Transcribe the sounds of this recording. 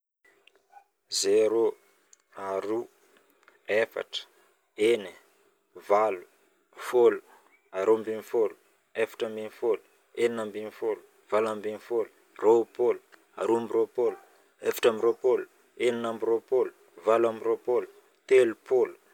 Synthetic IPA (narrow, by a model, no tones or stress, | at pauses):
zeɾo | aɾu | efa̰ʈ͡ʂə̥ | eni | valu̥ | folu̥ | aɾombinifolu̥ | efḁʈ͡ʂambinifolu̥ | eninambinifolu̥ | v̥alambinifolu̥ | ropolu̥ | a̰ɾuambiɾopolu̥ | efḁʈ͡ʂamiɾopolu | eninambiɾopolu̥ | valamiɾopolu̥ | t̪elupolu̥